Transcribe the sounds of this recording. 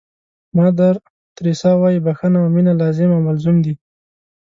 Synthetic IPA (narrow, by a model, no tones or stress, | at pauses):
mɑd̪aɾ | t̪ɾisɑwɑjibaxənawminalɑzɪmawmalzumd̪i